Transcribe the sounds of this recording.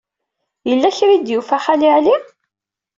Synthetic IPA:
jəlːæçɾid̪jufæχalɪʕli

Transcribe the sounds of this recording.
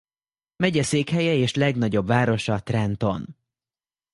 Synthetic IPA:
mɛɟɛseːkhɛjɛeːʃlɛɡnɒɟo̞bvaːɾo̞ʃɒt̪rɛnt̪o̞n

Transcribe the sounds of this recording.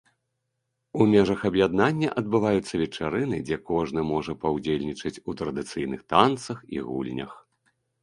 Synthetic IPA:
umʲɛʐɐxɐbjad̪̚nanʲːɐʔɐd̪̚bɨvajut̪sːɐvʲɛt͡ʂaɾɨnɨd͡zʲɛkɔʐnɨmɔʐɐpɐwd͡zʲelʲnʲit͡ʂɐt͡sʲut̪ɾɐd̪ɨt̪sɨjnɨxt̪ant̪sɐxḭɣṵlʲnʲɐ̰x

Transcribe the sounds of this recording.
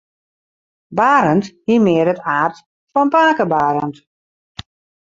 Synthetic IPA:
baːɾənthiəmɪəɾətaːrt | fɔnpaːkəbaːɾənt

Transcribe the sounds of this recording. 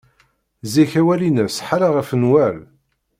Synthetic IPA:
ziçæwælinəsħaɾaʁəfənwæl

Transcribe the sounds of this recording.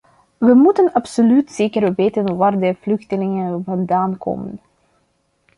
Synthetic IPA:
ʋəmutənɑpsolytz̥eːkərʋeːtənʋaːrdəvlɵxtəlɪŋənvɑndaːnkʰo̰mən

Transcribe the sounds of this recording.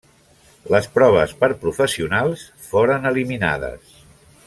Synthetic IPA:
ləspɾɔβ̞əspəɾpɾufəsiunalˠs | foɾənəlimina̰ðə̰s

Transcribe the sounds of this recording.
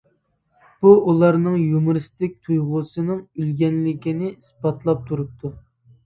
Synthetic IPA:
b̥uulˠɑɾnɨŋjumɨɾɨst̪ɪk̚ʲt̪ʰujʁʊsɨnɨŋylɡʲɛnlɪkʲinɪispɑt̪ʰlˠɑp̚t̪ʰuɾup̚t̪ʰu

